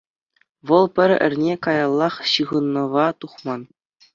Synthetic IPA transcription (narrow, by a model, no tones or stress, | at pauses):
ʋɤ̆lˠpʲɘ̆ɾʲɘ̰̆rʲnʲekɑjɑlˠːɑχɕɯʁɤ̆nːɤ̆ʋɑt̪uχmɑn